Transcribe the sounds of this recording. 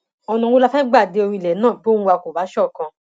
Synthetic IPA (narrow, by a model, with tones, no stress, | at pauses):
ɔ˧nũ˧o˧la˦˧fɛ˦ɡ͡ba˦˨de˨˦o˧ɾĩ˧˨lɛ˨˦nãː˦˨bo˦ũ˦˧a˧ko˨ba˨˦ʃɔ˦˨kã˧